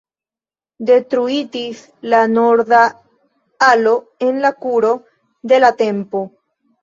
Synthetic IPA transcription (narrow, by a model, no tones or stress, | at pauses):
de̞tɾuid͡ʒis | lanoɾða | alo̞ | enlakuɾo̞ | d̪e̞late̞mpo